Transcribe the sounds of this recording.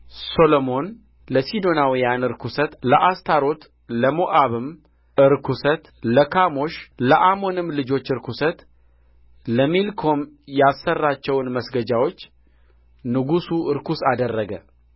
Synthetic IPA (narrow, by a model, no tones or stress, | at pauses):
so̞lomo̞n | ləsid̪o̞nawijanɨɾkʰusət̪ləʔast̪ʰaɾo̞t̪ | ləmoʔaβɨm | ɨɾkʰusət̪ləkʰamo̞ʃləʔamo̞nɨmlɨd͡ʒo̞t͡ʃːɨɾkʰusət̪ | ləmilkʰo̞m | jasːərːat͡ʃːɛwnməsɡəd͡ʒawo̞t͡ʃː | nɨɡusuʔɨɾkusad̪ərːəɡə̰